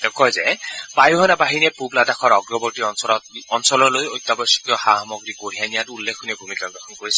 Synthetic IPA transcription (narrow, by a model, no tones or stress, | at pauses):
tɛkɔjzɛpajuɦɔnabaɦiniɛpubladakʰɔɹɔɡɹɔbɔɹtiɔnɔlɔtɔnsɔlɔɹlojojt̪ːabɔsi̥kjɔxaɦmɔɡɹikoɹianijatulːekʰːunibʱumikaɡɹɔxʰɔnkoɹis